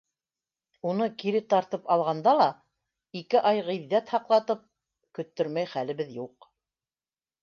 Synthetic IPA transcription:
unɤkiɾɘt̪ɑɾt̪ɤpɑlˠʁɑnd̪ɑlˠɑ | ikɘʔɑjʁiðːæt̪hɑqlˠɑt̪ɤp̚ | kɵ̆t̪ːɵɾmæjχælɘ̆βɘðjuq

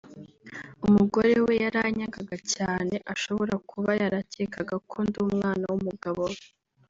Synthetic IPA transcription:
umuɡo̞ɾewe̞jaɾaɲaɡaɡacaːne̞ʔaʃo̞βo̞ɾakʰuβajaɾacekʰaɡakʰonduːmŋaːnawumuɡaβowe

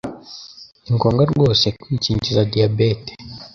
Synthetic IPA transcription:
iŋkoŋɡaɾɡoːsekwiːt͡ʃiːɲt͡ʃizadiabete̥

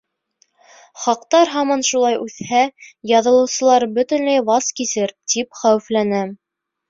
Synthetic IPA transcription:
χɑqt̪ɑɾɦɑmɑnʃulˠɑjʔʉθhæjɑðɤ̆lˠɤ̆wsɤ̆lˠɑɾbɵt̪ɘ̆nlæjbɑskisɘɾt̪ipχæwɘ̆flænɘ

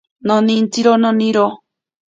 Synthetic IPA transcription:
nõnĩnt͡siɾonõnĩɾo

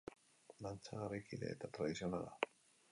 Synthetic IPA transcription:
nant͡saɣaɾekidḛːt̪at̪ɾaðisionala̰

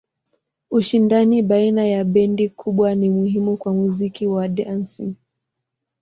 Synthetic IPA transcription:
uʃindaniɓainajaɓɛndikʰuɓwanimuhimukwamuzikiwaɗansi

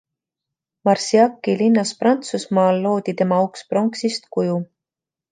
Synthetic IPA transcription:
mɑrsiɑkːˑilinːɑsprɑnt̪susmɑːlːo̞ːd̪it̪e̞mɑukspro̞ŋksist̪kuju

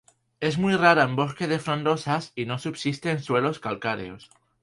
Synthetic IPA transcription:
e̞zmujraɾaembo̞ske̞ðefɾõnd̪o̞sasino̞subsist̪eːnswe̞lo̞skalkaɾḛos

